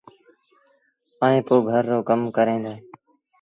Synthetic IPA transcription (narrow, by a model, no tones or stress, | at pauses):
aːẽːpoːɡʱəɾːoːkəmkəɾẽːd̪aː